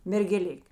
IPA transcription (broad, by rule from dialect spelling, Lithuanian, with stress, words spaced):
mʲɛrʲɡʲɛˈlʲɪkʲ